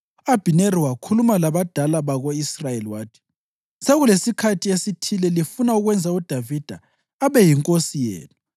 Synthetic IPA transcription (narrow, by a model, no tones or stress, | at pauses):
ab̥ʱineɾiwakʰulumalaβad̥ʱalaβaɣoisrajeliwaːtʰi̥ | seɣulesikʰatʰiesitʰilɛlifunauɣwɛnd͡zʱaud̥ʱavid̥ʱaː | βɛjiŋkʼosijḛːnu